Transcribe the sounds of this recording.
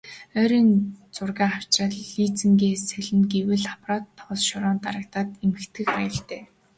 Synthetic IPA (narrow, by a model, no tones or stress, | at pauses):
œːɾiːnt͡sʊrɣaːaw̥t͡ɕrăːɮːiːt͡sɘ̆ŋɡeːsæɮɘ̆nɡewɘ̆ɮaprɔːt̪ʰːɔːsʃɔɾɔːnt̪aɾə̆k̚t̪aːt̪emɘ̆kt̪ʰɡɘ̆xχajə̆ɬt̪eː